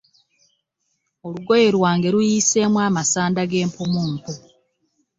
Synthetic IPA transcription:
o̞luɡo̞je̞ɾwaːŋɡe̞ɾujise̞ːmwaːmasaːndaɡe̞ːmpomuːmpo

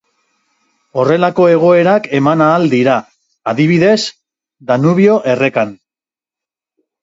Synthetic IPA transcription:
o̞re̞lako̞e̞ɣ̞o̞e̞ɾake̞manaːld̪iɾa | aðiβ̞iðe̞s | d̪anuβio̞ʔe̞re̞kan

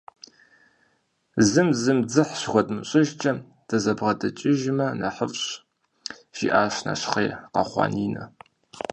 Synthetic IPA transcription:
zɨmzɨmd͡zɨħɕxʷɔdmɨɕʼɪʒt͡ʃʼɐ | d̥ɐzɐbʁɐdɐt͡ʃʼɪʒmɐnɐħəfɕ | ʒ̥iːʔaːɕna̰ɕχeːqɐ̰χʷɑ̰ːniːnɐ̰

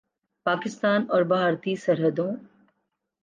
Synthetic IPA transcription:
paːkɪst̪aːnɔːɾbʱaːɾt̪isɐɾɦəd̪õː

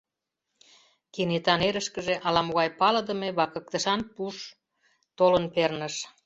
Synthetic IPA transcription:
kenet̪ɑneɾəʃkəʒeʔɑlɑmoɣɑjpɑlə̆d̪əmeβɑkə̆k̚t̪əʃɑnpuʃ | t̪olənpernəʃ

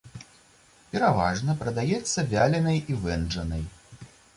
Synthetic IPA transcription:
pʲɛɾava̰ʐnɐpɾɐd̪ajɛt̪sːɐvʲalʲɛnɐjivɛnd͡ʐɐnɐj

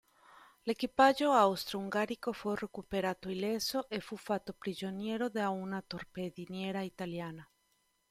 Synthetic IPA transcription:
lekipaʒoawst̪ɾouŋɡaɾikoforekupeɾat̪oilesoʔefufat̪opɾiʒonjeɾoðeaunat̪oɾpeðinjeɾait̪aljana

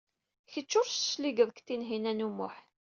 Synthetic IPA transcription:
çət͡ʃːʊɾssliɡəðˤkt̪ːinɦinænumʊħ

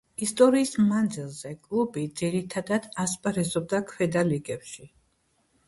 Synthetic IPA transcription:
ist̪ʼɔɾiːsmand̪zilˠzɛkʼlˠubid̪z̥iɾit̪ʰad̪ad̪aspʼɾɛzɔb̚d̪akʰwɛd̪aliɡɛpʃi

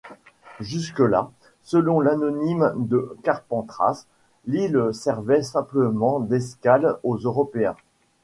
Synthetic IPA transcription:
ʒyskəla̰ | səlɔ̃lanɔnimd̪əkaʁpɑ̃t̪χa̰s | lilsɛʁvɛsɛ̃pləmɑ̃d̪ɛskalozøʁɔpeɛ̰̃

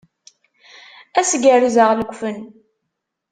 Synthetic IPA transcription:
æsɡəɾizəʁləɡʷfən

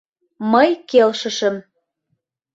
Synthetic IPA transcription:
məjkelʃəʃə̆m

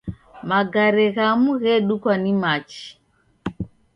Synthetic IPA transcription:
maɡaɾɛɣamuɣɛɗukwanimat͡ʃi̥

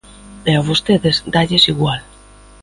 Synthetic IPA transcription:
eaβost̪eðezd̪aʎesiɣwal

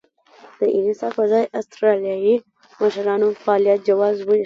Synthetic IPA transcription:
d̪̥əʔɪnisɑfazɑjʔast̪ɾalijaji | maʃɾɑnofaːlijat̪̚d͡ʒawɑzbu

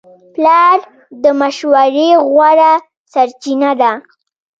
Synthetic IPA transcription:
plɑɾ | d̪əmaʃwaɾeɣwaɾa | saɾt͡ʃinad̪a

